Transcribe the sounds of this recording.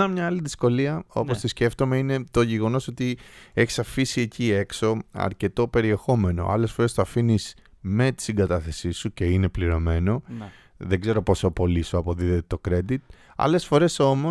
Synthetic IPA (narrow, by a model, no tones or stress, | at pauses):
nɐmɲɐɐliðisko̞liɐo̞̰post̪isce̞ft̪o̞meine̞t̪o̞ʝe̞ɣo̞no̞so̞t̪ie̞çi̥sɐfisie̞cie̞kso̞ɐ̰ɾce̞t̪o̞pe̞ɾie̞xo̞me̞no̞̰ʔɐ̰le̞sfoɾe̞st̪oɐfinis | me̞t̪i̥siŋɡɐt̪ɐθe̞sisuce̞ine̞pliɾo̞me̞no̞ | ðeɡze̞ɾo̞po̞so̞po̞lisuɐpo̞ðiðet̪et̪o̞kɾe̞d̪it̪̚ | ɐ̰le̞sfo̞ɾe̞so̞mo